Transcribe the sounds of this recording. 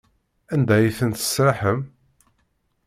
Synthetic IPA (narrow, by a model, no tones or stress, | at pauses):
ænd̪æjiθənt̪ə̥sɾaħəm